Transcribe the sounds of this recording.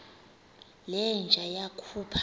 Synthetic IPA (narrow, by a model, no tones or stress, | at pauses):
lɛnd͡ʒʱajakʰupʰ